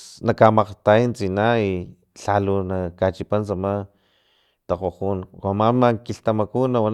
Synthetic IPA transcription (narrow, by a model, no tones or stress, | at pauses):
nakamaqt̪ajnt͡sinai | ɬalunakat͡ʃipansama | t̪aqoqunkamamakiɬt̪amakunawa